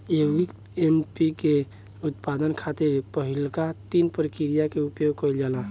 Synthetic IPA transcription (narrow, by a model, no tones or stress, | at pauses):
eik | empike | ut̪pad̪ənkʰat̪iɾpəɦilkat̪inpɾəkiɾijakeupjoɡ̚kəɪld͡ʒala